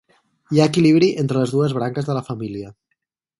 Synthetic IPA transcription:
iaəkiliβ̞ɾiʔent̪ɾələzðuəzβ̞ɾaŋkəzðələfamiliə

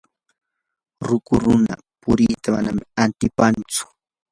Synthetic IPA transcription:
ɾʊkʊɾʊna̰ | pʊɾɪt̪ama̰namant̪ɪpant͡sʊ̥

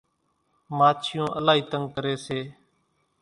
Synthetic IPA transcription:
maːt͡ʃʰɪjõːʔəlaːiːt̪əŋɡkəɾeːseː

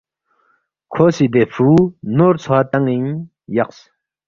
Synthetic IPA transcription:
kʰoːsid̪efʰunoɾt͡sʰat̪aŋiɲ | jɐqs

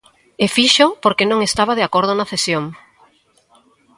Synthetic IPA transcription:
efiʃopoɾkenõŋest̪aβ̞að̞eakoɾð̞ʊnaθesjoŋ

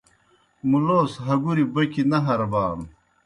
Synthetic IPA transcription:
muloːsɦɐɡuɾibɐkinɐɦɐɾɐbaːn

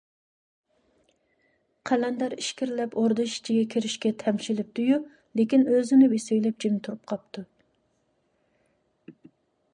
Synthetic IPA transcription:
qʰælɛnd̪ɑɾiʃkʲiɾlɛpoɾd̪ɨʃi̥t͡ʃʰiɡʲɛkʲʰiɾɪʃkʲɛt̪ʰɛmʃilɪp̚d̪uju | lekʲinøzɪnɪwesøjlɛp̚d͡ʒimt̪ʰuɾup̚qʰɑp̚t̪ʰu

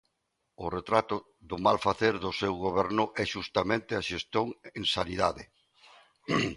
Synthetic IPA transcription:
ʊret̪ɾat̪ʊ | ðʊmalfaθeɾðʊsewɣoβɛɾnʊʔɛʃust̪amẽnt̪ɪaʃest̪joŋẽŋsaniðaðe

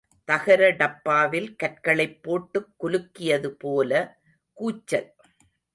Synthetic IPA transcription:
t̪ɐɣɐɾɐɖɐpːaːʋɪlkɐrkɐɭɐɪpːoːʈːɯkːʊlɯkːɪjɐðɯpoːlɐ | kuːt͡ʃːɐl

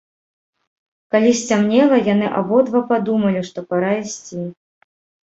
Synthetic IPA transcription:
kalʲisʲt͡sʲamnʲɛlˠɐjanɨʔa̰bɔd̪vapad̪umɐlʲiʂt̪ɔpɐɾaisʲt͡sʲi

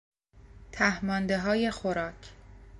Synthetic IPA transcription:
t̪ʰæhmɒːnd̪e̞ɦɒːje̞xoɾɒːcʰ

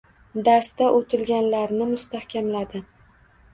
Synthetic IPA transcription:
d̪aɾst̪aʔot̪ʰɪlɡʲanlaɾnɪmʊst̪ahkʲʰamlad̪ɪ

